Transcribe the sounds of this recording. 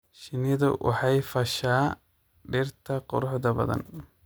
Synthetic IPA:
ʃɪnɪðɐwʔɑ̰ħɑjfɐʃaː | ɖɪrt̪ʰɐqʊ̰ɾʊħðɐbɐ̰ðɐ̰n

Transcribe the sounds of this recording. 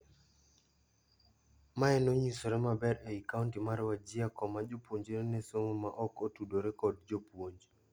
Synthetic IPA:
maɛnoɲisoɾɛmabɛɾɛikauntimaɾwad͡ʒɪakɔmad͡ʒopwoɲd͡ʒiɾenɛsomomaʔɔkotudoɾɛkɔdd͡ʒopwoɲd͡ʒ

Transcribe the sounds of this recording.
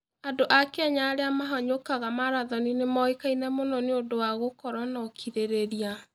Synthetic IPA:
adoʔakeɛɲaːɾeamaɦɔɲokaɣamaɾaðɔninemɔikainɛmonɔneodowaɣokɔɾwɔnɔkʰiɾeɾeɾia

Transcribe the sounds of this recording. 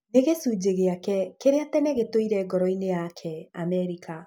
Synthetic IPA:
neɣesuːd͡ʑeɣeakɛkeɾeatɛnɛɣetoiɾɛɡɔɾɔinejakʰɛamɛɾikʰa

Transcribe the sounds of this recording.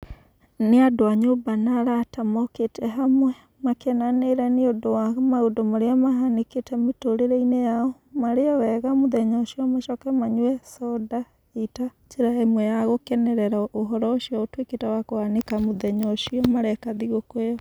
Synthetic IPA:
neadoaɲombanaɾatamɔketʰɛɦamwɛ | makɛnaneɾaneodowamaodɔmaɾeamaɦaneketɛmetoɾeɾɛinejaɔ | maɾeɔwɛɣamoðɛɲɔʃiɔmaʃɔkɛmaɲwɛsɔda | ita | t͡ʃeɾaɛmwɛjaɣokɛnɛɾɛɾaoɦɔɾɔoʃiɔotweketawakoanekamoðɛɲɔʃiɔmaɾɛkaðiɣokwejɔ

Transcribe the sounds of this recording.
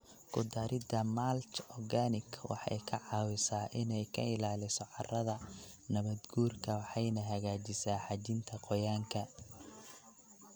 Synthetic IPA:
kʰʊd̪aːɾɪd̪ɐmalt͡ʃɔɡaːnɪkʰwɑ̰ħɑ̰jkʰɐʕɑːwɪsaːʔɪnɛjkʰɐ̰ɪlaːlɪsɔʕɑrɐðɐnɐβɐd̪ɡuːrkʰɐwɑħɑjnɐɦɐɣaːt͡ʃɪsaːħɑt͡ʃɪnt̪ʰɐqɔjaːŋkʰɐ

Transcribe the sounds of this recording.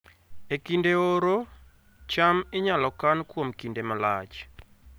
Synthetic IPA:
ekindeoɾo | t͡ʃamɪɲalɔkankwomkindemalat͡ʃ

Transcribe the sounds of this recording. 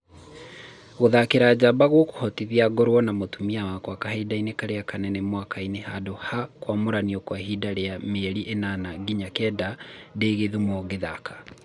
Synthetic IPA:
ɣoðakeɾaːd͡ʑabaɣwoko̥hɔtiðiaɡɔɾwɔnamotumiawakwakahaidainekaɾeakanɛnɛmwakainehadohakwamoɾaniɔkwaɦidaɾeameɾiʔenanaɡiɲakɛːdadeːɣeðumɔɣeðakʰḁ

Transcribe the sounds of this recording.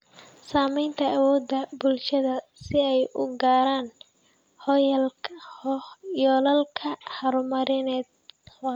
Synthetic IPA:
saːmɛjnt̪ʰɐːwɔːd̪ɐbʊlʃɐðɐsɪɛjʔʊɡaːɾaːn | hɔjl | jɔlɐlkʰɐhɐɾʊmɐɾɪnɛːd̪̚

